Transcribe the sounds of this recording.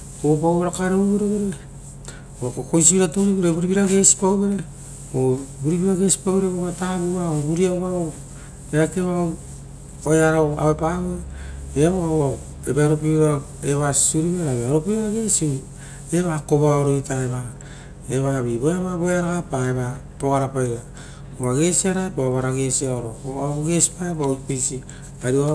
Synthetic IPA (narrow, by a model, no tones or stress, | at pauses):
oop̬awβeɾakaɾeɾβeɾoβeɾe | okokojs̬ibiɾatoɾiβeɾebuɾibiɾaɡe̞si̥pawbeɾe | obuɾibiɾaɡe̞si̥pawbeɾeβoβataβuβaobuɾiaβao | eakeβa | ojaɾaa̰βepaβueβa | ebaɾopia | eβassuɾiβeɾaβaɾopiaɡe̞siu | eβakoβaoɾoitaeβa | eβaβibojaβabojaɾaɣapaeβa | poɣaɾapajɡa | oβaɡe̞siaɾaepaaβaɾaɡe̞siaoɾokoβaɡe̞spaepapisi | aɾia